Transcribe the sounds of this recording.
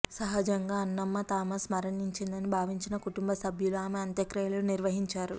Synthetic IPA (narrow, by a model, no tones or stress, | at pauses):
sɐɦɐd͡ʒɐŋɡaːɐnːɐmːɐt̪aːmɐsmɐɾɐniɲt͡ʃind̪ɐnibʱaːʋiɲt͡ʃinɐkuʈumbɐsɐbʱjuluaːmeɐnt̪jɐkɾɐjlɐlniɾʋɐɦiɲt͡ʃaːɾu